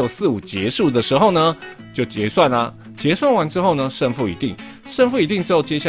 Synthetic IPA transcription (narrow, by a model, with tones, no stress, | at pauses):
o˨˩ʊsɹ̩˥˩u˨˩t͡ɕjɛ˧˦˥ʂu˥˩d̪ə˩ʂɻ̩˧˥xo˥˨ʊnə˧ | t͡ɕjo˥˩ʊt͡ɕjɛ˧˥swa˥˩nlɐ˩ | t͡ɕjɛ˧˥swa˥˩nwa˧˥nʈ͡ʂɻ̩˥xo˥˩ʊnə˨ʂə˥˧nfu˥˩ḭ˧˥t̪i˥˩ŋ | ʂə˥˧nfu˥˩i˧˥t̪i˥˩ŋʈ͡ʂɻ̩˥o˥˩ʊt͡ɕjɛ˥ɕja˥